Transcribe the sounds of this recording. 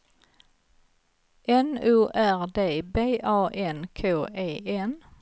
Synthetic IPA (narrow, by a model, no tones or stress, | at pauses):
ʔɛnʉːʔæɾd̪eːbeːʔɑːʔɛnkʰoːʔeːʔɛn